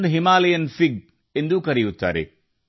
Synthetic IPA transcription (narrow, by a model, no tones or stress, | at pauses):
ɦimaːlɐjɐnfiɡ̚ | end̪ukɐɾɛjut̪ːa̰ːɾḛ